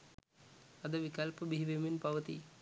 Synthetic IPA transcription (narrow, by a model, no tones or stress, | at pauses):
ɐd̪əʋikɐlpəbiɦiʋeminpɐʋət̪ḭ